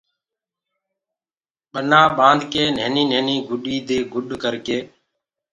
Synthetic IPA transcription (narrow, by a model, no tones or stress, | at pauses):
ɓənãːɓãːnd̪ʱkeːneːniːneːniːɡʱʊɗiːd̪eːɡʱʊɗkəɾkeː